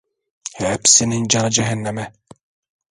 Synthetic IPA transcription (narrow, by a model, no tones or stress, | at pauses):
hɛpsinind͡ʒɑnɯd͡ʒɛɦɛnːɛmɛ